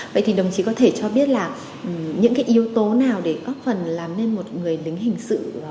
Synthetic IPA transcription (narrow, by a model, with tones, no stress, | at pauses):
və̰˧˨jt̪ʰi˨˩ɗə˨˩wŋ͡mt͡ɕi˨˦kɔ˨˦t̪ʰe˧˩t͡ɕɔ˧ɓi˦˥ət̚laː˨˩˨ | ɲɨ̰˧˥ŋkaː˨˦jʔi˨˧əwt̪o˨˦naː˨˩wɗe˧˩kɔ˨˦fə˨˩nlaː˨˩mne˧nmo˨˩t̚ŋɨ˨˩əjlï˨˦ŋ̟ɦï˨˩ŋ̟sɨ̰˧˨